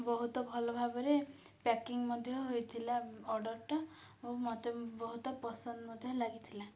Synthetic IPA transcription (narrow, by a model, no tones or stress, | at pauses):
bɔɦut̪ɔbʱɔlɔbʱabɔɾe | pakiŋmɔd̪ʱjɔɦojt̪ʰilaɔɾɖɔɾʈɔ | omɔt̪ebɔɦut̪ɔpɔsɔnd̪mɔd̪ʱjɔlaɡit̪ʰila